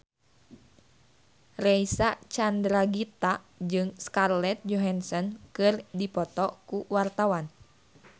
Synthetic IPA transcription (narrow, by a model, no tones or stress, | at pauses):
rɛisat͡ʃandɾaɡit̪a | d͡ʒɨŋskarlɛt̪̚d͡ʒɔɦansɔnkɨrdipɔt̪ɔkuwart̪awan